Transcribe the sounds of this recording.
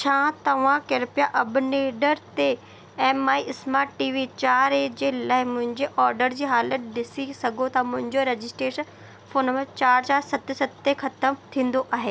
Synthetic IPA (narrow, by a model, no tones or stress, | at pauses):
t͡ɕʰãːt̪ɐʋ̤ãkeːɾpijaʔɐbʊneːɖəɾt̪e | ɛːmaːiʔɪsmaːʈʈiːʋit͡ɕaːɾed͡ʑeːlaːɪmʊ̃ɦɪ̃ɲd͡ʑeʔɔːɾɖəɾd͡ʑiːɦaːlət̪ɗɪsisɐɡʱot̪ʰɐmʊ̃ɦɪ̃ɲd͡ʑoɾed͡ʑɪsʈɾeːʃən | foːnmẽt͡ɕaːɾt͡ɕaːɾsɐt̪̆sɐt̪exʰɐt̪əmt̪ʰĩːn̆d̪oʔaːɦeː